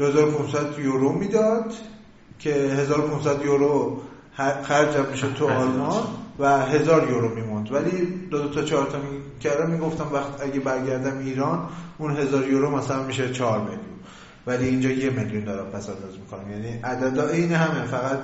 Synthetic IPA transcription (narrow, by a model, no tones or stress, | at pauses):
d̪̥ohe̞zɒːɾopʰunsæd̪joɾomiːd̪ɒd̪̥ | cʰe̞he̞zɒːɾopʰunsæd̪joɾo | hxæɾd͡ʒæmːiʃod̪̚t̪ʰuɒːlmɒnvæɦe̞zɒːɾjoɾomimond̪vælid̪od̪ot̪ʰɒt͡ʃʰɒːɾt̪ʰɒmicʰæɾd̪æmːiːɡo̞ft̪æmvæxt̪æɟebæɾɟæɾd̪æmiːɾɒnunɦe̞zɒːɾjoɾomæsælæmmiːʃet͡ʃʰɒɾme̞̰ljṵn | væliːnd͡ʒɒːje̞meljund̪ɒːɾæmpʰæsænd̪ɒzmikʰonæmjæniʔæd̪æd̪ɒːejneɦæmefæɣæt̪